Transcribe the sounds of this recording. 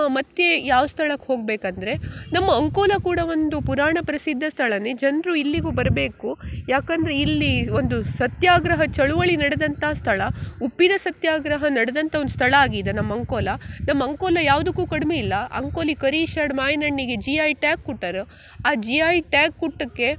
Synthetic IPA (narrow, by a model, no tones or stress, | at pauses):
mɐt̪jejaːʋɐst̪ʰɐɭɐkːho̞ːɡ̚beːkɐnd̪ɐɾe̞nɐmːɐːŋkoːlɐkuːɽɐo̞nd̪upuɾaːɳɐpɐɾisid̪ʱːɐst̪ʰɐɭɐnːed͡ʒɐnɾuilːiɡuːbɐɾbe̞ːkujaːkɐnd̪ɐɾeilːio̞nd̪usɐt̪jaːɡɾɐɦɐt͡ʃɐɭuʋɐɭinɐɽed̪ɐnt̪ɐːst̪ʰɐɭɐupːid̪ɐsɐt̪jaːɡɾɐɦɐnɐɽed̪ɐnt̪ɐodust̪ʰɐɭɐaːɡid̪ɐnɐmːɐɐŋkoːlɐnɐmːɐɐŋkoːlɐjaːʋd̪ɐkːuːkɐɽmeilːɐʔɐ̰ŋkoːlikɐɾiʃaːɽmaːjɐnɐɳːiɡed͡ʒiaːjʈaːkːuʈːɐɾ | aːd͡ʒiaːjʈaːkːuʈːɐkːe̞